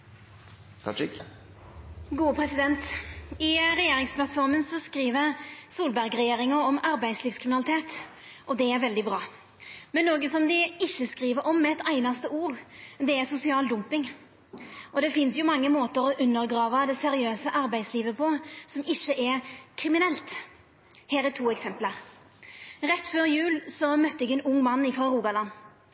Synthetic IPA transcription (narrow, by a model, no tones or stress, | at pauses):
ɡuːpʰɾɛsɪd̪ɛnt̪ɪɾɛjeːɾɪŋspʰlɑt̪fɔɾmənsɔskɾiːʋəɾsuːlbæɾɡɾɛjeːɾɪŋɑɔmɑɾbæɪd̪sliːfskʰɾɪmɪnɑlɪt̪ʰeːt̪ | ʔɔd̪ɛæɾʋɛld̪ɪbɾɑː | mɛnːoːɡəsɔmd̪ɪɪçːəskɾiːʋəɾʔɔmːɛɛt̪æɪnɑst̪əuːɾd̪ɛɛsʊsɪɑːld̪ʊmpɪŋ | ʔɔd̪ɛfɪnsjʊmɑŋːəmoːt̪əɾɔʔʉnːəɾɡɾɑːʋɑd̪ɛsɛɾɪøːsəʔɑɾbæɪd̪sliːʋəpʰɔsɔmɪçːəʔɛɾkʰɾɪmɪnɛlt̪ | hɛːɾɛtʰuːɛksɛmpləɾ | ɾɛt̪ːføːɾjʉːlsɔmœt̪ːəɛɡɛnʊŋːmɑnːɪfʁɑɾuːɡɑlɑnː